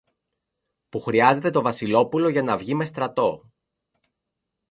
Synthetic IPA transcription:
puxɾiɐze̞t̪e̞t̪o̞vɐsilo̞pulo̞ʝɐnɐvʝime̞st̪ɾɐt̪o̞

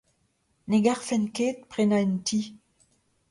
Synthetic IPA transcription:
neɡaʁfɛnkeːt̪̚pʁenaintʰi

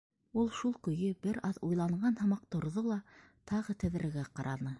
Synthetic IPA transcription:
ulˠʃulˠkɵ̆jɵbɘɾɑðujlˠɑɴɢɑnhɤ̆mɑq̚t̪ŏɾðolˠɑ | t̪ʰɑʁɤt̪ɘ̆ðɾɘ̆ɡæqɑɾɑnɤ

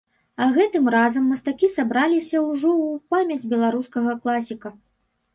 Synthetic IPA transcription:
ɐɣɛt̪ɨmrazɐmːɐst̪akʲisabɾalʲisʲɐwʐɔwpamʲɐd͡zʲbʲɛlˠaɾuskɐɣɐklˠasʲikɐ

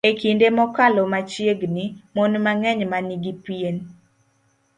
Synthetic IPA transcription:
ekindemɔkalɔmat͡ʃjeɡnimɔnmaŋɛɲmaniɡipjen

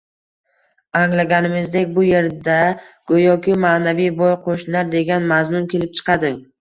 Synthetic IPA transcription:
aŋlaɡʲanɪmɪzd̪e̞kʲbʊje̞ɾd̪aɡ̥ojɒkʲʰɪmaːnavijbojqʰoʃnaɾd̪e̞ɡʲanmazmʊnkʲʰe̞lɪp̚t͡ʃʰɨ̥qʰɑd̪ɪ

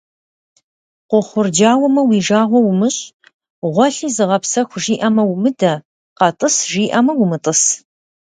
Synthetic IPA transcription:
qʷʊχʷʊrd͡ʒaːwɐmɐwiːʒaːʁʷɔwʊmɨɕʼ | ʁʷɔɬiːzɨʁɐpsɐxʷʒiːʔɐmɐwʊmɨdɐ | qɐtʼɨsʒiːʔɐmɐwʊmɨtʼɨs

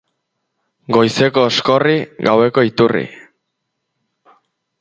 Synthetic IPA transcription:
ɡo̞jse̞ko̞ːsko̞riɣawe̞ko̞it̪urḭ

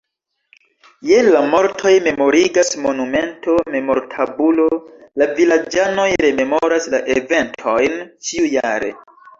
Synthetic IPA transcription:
jenlamo̞ɾtʰo̞jme̞mo̞ɾiɡasmo̞nume̞ntʰo̞me̞mo̞ɾtʰabulo̞lavilad͡ʒano̞jɾe̞me̞moɾaslaʔeve̞ntʰo̞jnt͡ʃiujaɾe̞̰

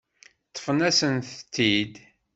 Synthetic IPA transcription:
t̪ˤːə̥fənæsənθt̪ːid̪

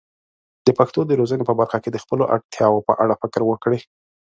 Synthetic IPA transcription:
d̪̥əpaxt̪od̪əɾozənepəbaɾxaked̪əxpəloʔa̰ɽt̪jɑwopə̰ʔaɽafɪkɾwəkɽe

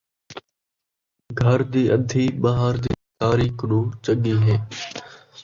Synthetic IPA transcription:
ɡʱəɾd̪iːʔəd̪ʱiːɓɐɦaːɾd̪ḭːt̪aːɾiːknũːt͡ʃəɠiːɦeː

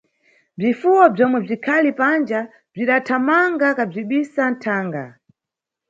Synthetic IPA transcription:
b͡ʐifuwɔb͡ʐɔmwɛb͡ʐikʰalipand͡ʒa | b͡ʐiɗatʰamaŋɡakab͡ʐiɓisan̩tʰaːŋɡa̰

